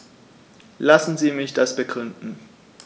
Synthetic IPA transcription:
lasn̩ziːmɪçd̥asb̥əɡʁʏndn̩

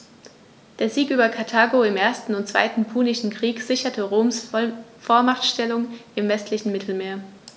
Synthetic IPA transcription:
d̥eːɐziːkʔyːbɐkʰaɐtʰaːɡoɪmʔeːɐstn̩ʊntt͡sv̥a̰ɪtn̩pʰuːnɪʃn̩kʁ̥iːkz̥ɪçɐtʰəʁoːmsfoːɐmaχtʃtɛlʊŋʔɪmvɛstlɪçn̩mɪtʰl̩meːɐ

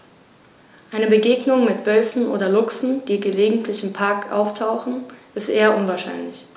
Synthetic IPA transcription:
ʔaɪnəbəɡeːɡnʊŋmɪtv̥œlfn̩ʔo̰ːdɐlʊksn̩d̥iːɡəleːɡŋ̩tʰlɪçɪmpʰaɐkʔa̰ʊftʰaʊxn̩ʔɪstʔeːɐʔʊnvaɐʃa̰ɪnlɪç

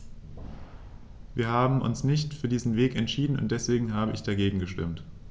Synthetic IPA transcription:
viːɐhaːbm̩ʔʊ̰nsnɪçtfyːɐdiːzn̩veːkɛntʃiːdn̩ʊ̰nt̚d̥ɛsv̥eːɡŋ̩ɦaːbəʔɪçd̥aɡeːɡŋ̩ɡəʃtɪ̰mt

